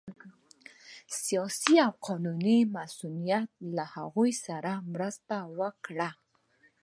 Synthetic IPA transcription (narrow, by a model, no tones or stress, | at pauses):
sijɑsiawqʰɑnunimasunijat̪̚laha̰ɣojsaɾamɾəst̪awəkɽa